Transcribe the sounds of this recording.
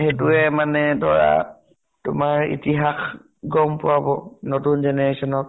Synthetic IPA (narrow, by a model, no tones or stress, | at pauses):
xetuɛmanɛdɔɹa̰ | tʊmaɹḭtiɦax | ɡɔmpʊwabɔnotunzɛnɛɹesɔnɔk